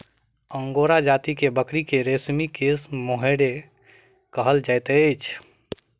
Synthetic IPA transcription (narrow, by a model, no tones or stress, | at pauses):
əŋɡoɾad͡ʒat̪ikebəkɾikeɾesmikesmoɦeɽe | kəɦəld͡ʒaɪt̪əɪt͡ʃʰ